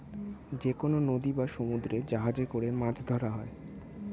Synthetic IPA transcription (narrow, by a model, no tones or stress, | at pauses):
d͡ʑekononod̪ibaʃomud̪ɾed͡ʑaɦad͡ʑekoɾemãd͡ʑʰʱd̪ʱɔɾaɦɔe